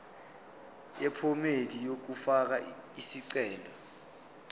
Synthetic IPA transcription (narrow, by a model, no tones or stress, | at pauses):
jɛpʰɔmedijok̬ufak̬aisiǀɛːlɔ